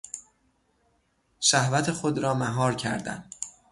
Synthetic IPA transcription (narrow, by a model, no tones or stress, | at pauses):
ʃæhvæt̪ʰe̞xo̞d̪ɾɒːmæɦɒːɾcʰæ̰ɾd̪æ̰n